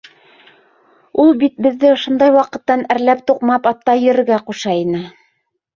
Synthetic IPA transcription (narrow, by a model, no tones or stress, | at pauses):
ulˠbit̪̚bɘ̆ðːɘŏʃŏnd̪ɑjwɑqɤ̆t̪ːɑnæɾlæp̚t̪uqmɑpɑp̚t̪ɑjɘ̆ɾɘ̆ɡæquʃɑinɘ